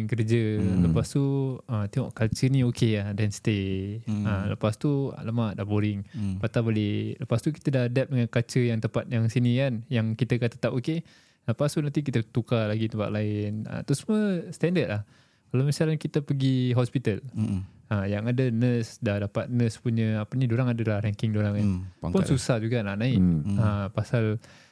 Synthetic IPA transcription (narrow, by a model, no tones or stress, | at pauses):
kərd͡ʒələpast̪uəmt̪eŋɔ̰ʔkat͡ʃənĩokeahdɛnst̪e | ələpast̪uə̰ləmadahboɾɪŋpat̪aboleləpast̪uki̥t̪ədahdɛp̚dəŋankat͡ʃəjaŋt̪əmpat̪̚jaŋsinikanjaŋkit̪əkat̪ət̪apoke | ləpast̪uʔnant̪ik̬it̪ət̪ukalaɡit̪əmpa̰ʔ̪laɪnə̰t̪ʊsmuəst̪ɛndət̪̚lah | kalamisalankit̪əpəɡiɦɔspit̪əlajaŋadənəsdahdapat̪̚nə̃spuɲəapənidoɾaŋadəlahɾɛŋkɪŋdoɾaŋanpʊnsusad͡ʒuɡanaʔnaɪapasal